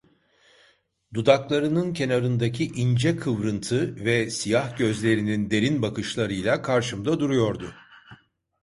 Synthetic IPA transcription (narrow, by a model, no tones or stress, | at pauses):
d̪ud̪aklˠaɾɯnɯncʰe̞naɾɯnd̪acʰiʔind͡ʒɛkʰɯvɾɯnt̪ʰɯvɛsijahɟø̞zlʲe̞ɾinind̪e̞ɾinbakɯʃlˠaɾɯjlˠakʰaɾʃɯmd̪ad̪uɾujo̞ɾd̪ʊ